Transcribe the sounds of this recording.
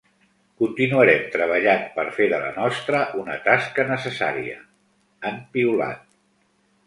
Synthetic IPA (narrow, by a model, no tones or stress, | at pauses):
kunt̪inuəɾɛmt̪ɾəβ̞əʎampəɾfeðələ̰nɔst̪ɾəʔunət̪askənəsəsa̰ɾiə̰ | əmpiula̰t̪̚